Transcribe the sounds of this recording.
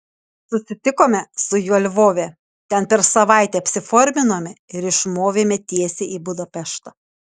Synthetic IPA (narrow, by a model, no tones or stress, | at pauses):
sʊsʲɪt̪ʲɪkoːmʲɛsʊjuɔlʲʋoːʋʲɛ | t̪ʲɛnpʲɛɾsɐʋɐˑɪt̪ʲɛːɐpʲsʲɪfɔːɾʲmʲɪnoːmʲɛɪɾɪʃmoːʋʲeːmʲɛt̪ʲiɛsʲeːiːbʊd̪ɐpʲɛʃt̪ɐ